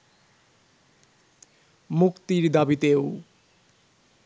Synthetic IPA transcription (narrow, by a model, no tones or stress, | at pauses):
mukt̪iɾid̪ʌbit̪ew